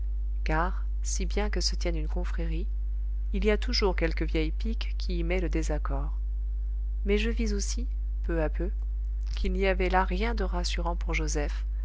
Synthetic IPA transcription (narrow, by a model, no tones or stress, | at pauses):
kaʁ | sibjɛ̃kəsət̪jɛnynkɔ̃fχɛʁiː | liat̪uʒuʁkʲɛlkəvjɛjpikːʲʰiːmɛləd̪ezakɔʁ | mɛʒəvizosi | pøapø | kʰʲilniavɛlaʁjɛ̃d̪əʁasyʁɑ̃puʁʒozɛf